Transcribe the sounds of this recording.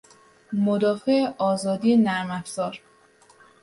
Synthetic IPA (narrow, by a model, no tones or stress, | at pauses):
mod̪ɒːfeeʔɒːzɒːd̪iːenæɾmæfz̥ɒːɾ